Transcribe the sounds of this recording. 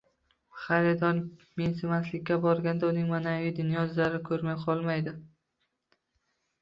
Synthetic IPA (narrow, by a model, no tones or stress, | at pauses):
χaɾɪd̪ɒnmensɪmaslɪkʲːabɒɾɡʲand̪aʊnɪŋmanavɪjd̪ʊnjɒzaɾɪkʰɵɾmajqʰɒlˠmajd̪ɪ